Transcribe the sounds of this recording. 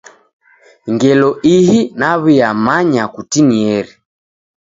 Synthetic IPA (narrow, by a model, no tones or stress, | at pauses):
ŋɡɛlɔʔiɦinaβijamaɲakutiniɛɾi